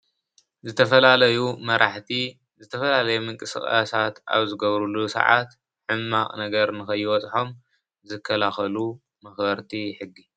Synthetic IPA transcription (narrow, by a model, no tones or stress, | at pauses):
zɨt̪ʰɐfɐlaɐjumɐɾʔaħt̪i | zɨt̪ʰɐfɐlalɐjumɨŋkʼɨsɨ̰xʼa̰sat̪a̰βzɨɡɐβɾulusɐ̰ʕa̰t̪ | ħɨmːaχʼnɐɡɐɾnɨxɐjːɪwɔt͡sʼħo̞m | zɨkʰːɐlaxɐlu | mɐxbɐɾt̪ʰiħɨɡːi